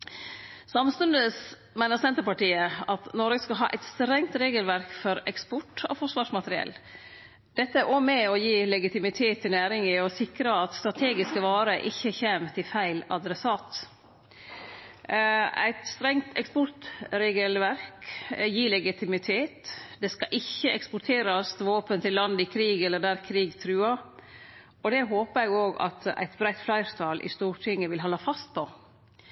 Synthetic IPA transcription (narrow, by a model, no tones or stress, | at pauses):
sɑmst̪ʉnd̪əs | mæɪnəɾsɛnt̪əɾpɑʈiːəɑt̪nɔɾɡəskɑlɦɑ̰ːʔæ̰ɪt̪st̪ɾɛŋt̪ɾeːɡəlʋæɾkfɔɾɛkspɔʈːɑ̰fɔʂʋɑːʂmɑt̪əɾɪɛ̰lː | d̪̥ɛt̪ːəæɾʔomɛɔjiːlɛɡɪt̪ɪmɪt̪ʰeːt̪ʰːɪlnæːɾɪŋɪɔsɪkɾəɑt̪st̪ɾɑt̪ʰeːɡɪskəʋɑːɾəʔɪçːəçeːmt̪ʰɪfæɪlɑd̪ɾɛsɑːt̪ | æ̰ɪt̪st̪ɾɛŋt̪ʰɛkspɔɾt̪ɾeːɡəlʋæɾkjiːɭɛɡɪt̪ʰɪmɪt̪ʰeːt̪d̪ɛskɑʔɪçəɛkspʊɾʈ̪ʰeːɾɑst̪ʋoːpənt̪ʰɪlːɑnd̪ɪkʰɾiːɡɛlːəd̪æːɾkʰɾiːɡt̪ʰɾʉːɑ | ɔd̪ɛɦoːpəæɪɡoːɡɑ̰t̪æ̰ɪt̪bɾæɪt̪flæɪɾt̪ʰɑlʔɪ̰st̪uːɾʈʰɪŋːəʋɪlɦɔlːɑfɑst̪̚pʰɔ